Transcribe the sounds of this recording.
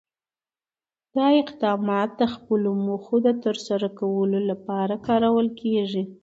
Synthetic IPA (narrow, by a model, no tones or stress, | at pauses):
d̪̥ɑɪqd̪ɑmɑt̪̚d̪əxpəlomoxod̪ət̪əɾsaɾakawəlolapɑɾakɑɾawəlkʰeʐi